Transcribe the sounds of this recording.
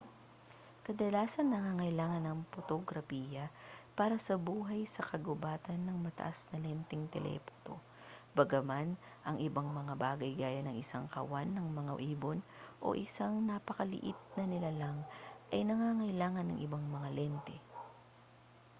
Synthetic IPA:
kɐd̪ɐlaːsɐnːɐŋaːŋɐjlaːŋɐnɐŋpot̪oɡɾɐfiːjɐpaːɾɐsɐbuːɦɐjsɐkɐɡʊbaːt̪ɐnːɐŋmɐt̪ɐ̰ʔasnɐlɛnt̪ɛŋt̪ɛ̰lʔɛ̰po̥t̪o | bɐɡɐman | ʔɐŋʔɪbaŋmɐŋabaːɡɐjɡaːjɐnɐŋɪsaŋkɐ̰wanːɐŋmɐŋaʔiːbonʔo̞̰ʔɪsaŋnapɐkɐlɪ̰ʔɪt̪̚nɐnɪlalɐŋʔɐjnɐŋaːŋɐjlaːŋɐnːɐ̰ŋʔɪbaŋmɐŋalɛnt̪ɛ

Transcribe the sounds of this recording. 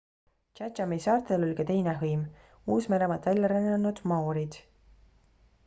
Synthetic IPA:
t͡ʃætɑmisɑːrt̪ˑelo̞lʲkɑt̪e̞jneɦɤjm | uːsmeɾemɑt̪vælʲːɑɾenːɑnːud̪̥mɑoɾid̪̥

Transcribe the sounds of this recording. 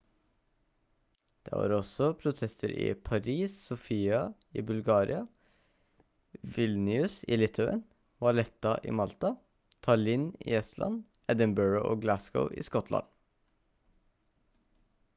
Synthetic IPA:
d̪̥ḛːʋɑ̰ːɾɔsɔpʰɾʊt̪ʰɛst̪ʰəɾɪ̰ːpʰɑɾiːsːʊfiːɑ | iːbʉlɡɑːɾɪ̰ɑ | ʋɪlnɪʉsɪ̰ːlɪt̪ʰɑə̰n | ʋɑlɛt̪ːɑʔiːmɑlt̪ɑ | t̪ʰɑɭiːnḭːɛslʔɑ̰n | ʔɛd̪ənbœɹoʔoːɡlæskə̰ʊʔḭːskɔt̪ʰlɑ̰n

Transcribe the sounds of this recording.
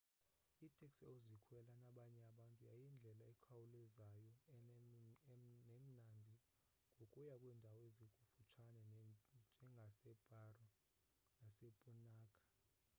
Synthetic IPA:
itʼɛkstɛozikʰwɛlanaɓaɲɛaɓantʼujajind͡ɮʱɛlaikʰawulɛzajɔ | nem̩nandʱi | ŋɡʱokʼujakʼwɛːndʱawɔezikʼufut͡ʃʰanɛd͡ʒʱɛŋɡʱasɛb̥ʱarɔ | nasepʼunaːkʼḁ

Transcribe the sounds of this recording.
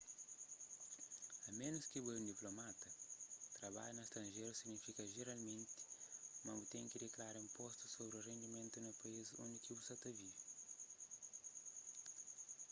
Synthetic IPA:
ɐmẽnuskibueɾũnd̪iplomat̪ɐt̪ɾɐβa̰ʎunɐst̪ɾɐ̃nʒeɾusiɡnifikɐʒeɾalmẽnt̪ɪ̥mɐ̃but̪ẽj̃kidekɾaɾĩmpɔst̪u̥sobɾiurẽnd̪imẽnt̪unɐpɐizõnd̪ikibusɐt̪ɐvi

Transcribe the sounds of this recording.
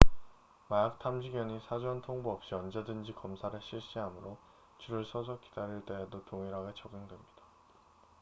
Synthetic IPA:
majak̚tʰamɕʰiɡjʌɲisʰad͡ʑuantʰoŋbuʌp̚ɕ͈iʌnd͡ʑedɯnd͡ʑikʌmsʰaɾɯɕʰiɭɕ͈iɦamuɾo | t͡ɕuɾɯɭsʰʌs̬ʰʌk͈i̥d̥aɾiɭt͈e̞ɦedotoŋiɾɦaɡe̞t͡ɕʌɡɯŋdwe̞mɲid̥a

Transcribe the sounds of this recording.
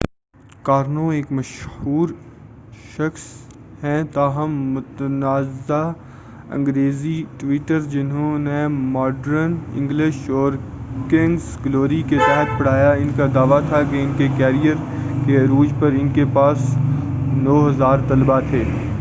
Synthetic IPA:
kaːɾnõeːkmɐʃhuːɾ | ʃɐxshɛ̃t̪aːɦəmːʊt̪ənaːza | ɐ̰̃ŋɡɾeːziʈʋiːʈəɾd͡ʒɪnɦõnemɔːɖəɾənɪ̰̃ŋɡlɪʃɔːɾkɪ̃ŋɡsɡloːɾiket̪ɛɦət̪̚ʰpɐɽ̤aːjaɪnkad̪aːʋat̪ʰakeɪnkekɛːɾijəɾkeɐɾuːd͡ʒpɐɾɪnkepaːs | nɔːɦɐzaːɾt̪ɐlbat̪ʰeː

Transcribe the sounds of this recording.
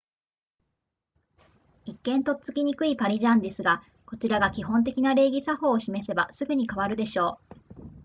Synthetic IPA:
ikːẽ̞nt̪o̞̥t͡sɨ̥kʲiɲ̟ikɯ̟ipaɾʲiʑãnd̪e̞sɨɡa | ko̞t͡ɕiɾaɡakʲiɦõ̞nt̪̬e̞kʲinaɾe̞ːɡʲisaho̞ːɕime̞se̞basɨɡɯ̟ɲ̟ikaβaɾɯ̟d̪e̞ɕo̞ː

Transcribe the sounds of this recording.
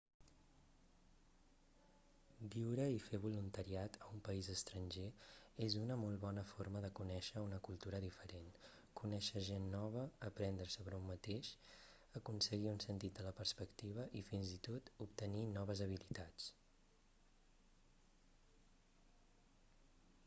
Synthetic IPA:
biwɾəifeβ̞ulunt̪əɾiat̪əumpəizəst̪ɾənʲʒeezunəmɔlˠβɔnəforməðəkunɛʃəunəkulˠt̪uɾəðifəɾen | kunɛʃəʒenːɔβ̞əːpɾɛnd̪ɾəsəβɾəumːət̪eʃ | əkunsəɣiunsənt̪it̪̚d̪ələpəɾspəkt̪iβ̞əʔifinzit̪ot̪up̚t̪əninɔβ̞əzəβ̞ilit̪at͡s

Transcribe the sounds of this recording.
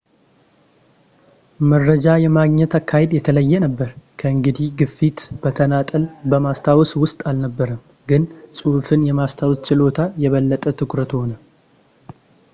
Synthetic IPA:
məɾːəd͡ʒajɛmaɡɲɛt̪akːahed̪jɛt̪ʰələjːɛnəbːəɾkʰəɨŋɡɨd̪ihɡɨfːit̪b̥ət̪ʰənat̪ʼəlbəmast̪ʰawswʊst̪ʼalnəbːəɾəm | ɡɨnsʼufɨnjɛmast̪ʰawst͡ʃɪlo̞t̪ʰajɛβəlːət̪ʼət̪ʰɨkɾət̪ho̞nə

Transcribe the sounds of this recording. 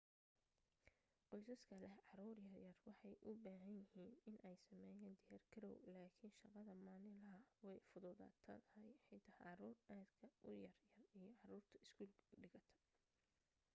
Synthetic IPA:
qɔjsɐskʰɐlɛʕɑɾuːrjɐrjɐrwɑħɑjʔʊbaːɦɐnjɪɦiːnɪnʔɛjsɐmɛːjɛːnd̪ɪjɐrkʰɐɾɔwlaːkʰɪnʃɐqɑðɐmaːnɪlɐɦɐwɛjfʊðʊða̰ːt̪ʰɐ̰t̪ʰɐɦɛjħɛt̪ʰɐhʕɑɾuːrʔaːd̪kʰɐʔʊjɐrjɐrijɔʕɑɾuːrt̪ʰɐɪskʰulɖɪɣɐt̪ʰɐ̥

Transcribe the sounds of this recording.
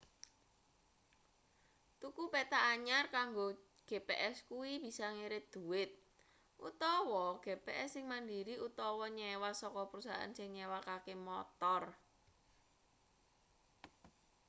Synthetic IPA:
t̪ukupet̪aʔːɲarkaŋɡo | ɡ̥e̤peʔɛskuwib̥i̤sɔŋeɾɪd̪̥ṳɪt̪̚ | ʔut̪ɔwɔɡ̥epeʔɛsːɪŋmandiɾiut̪ɔwɔɲɛwasɔkɔpəɾusaɦa̰nsɪŋɲewakakemɔt̪ɔr

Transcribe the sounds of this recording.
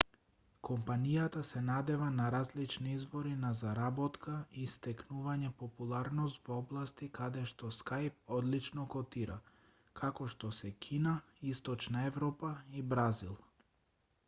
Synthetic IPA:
kʰɔmpanijat̪asɛnad̪ɛvanaɾazlit͡ʃniizvɔɾinazaɾabɔt̪kaist̪ɛknuvaɲɛpɔpulˠaɾnɔst̪vɔblˠast̪ikad̪ɛʃt̪ɔskajp̚ɔd̪lit͡ʃnɔkɔt̪iɾa̰ | kʰakɔʃt̪ɔsɛkʰina | ist̪ɔt͡ʃnaɛvɾɔpaibɾazilˠ

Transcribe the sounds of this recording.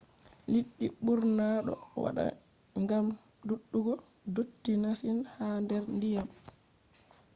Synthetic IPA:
liɗːiɓuɾnaːɗɔ̰wa̰ɗa̰ | ŋɡam | duɗːuɡɔ | dotːinasinhandɛɾndijam

